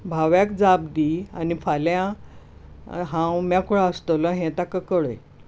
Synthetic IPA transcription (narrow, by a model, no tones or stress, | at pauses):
bʱaʋjakd͡zabd̪ia̰nifaljã | ɦãwmãkuɭaəst̪ələɦɛ̃t̪akəkəɭə̰j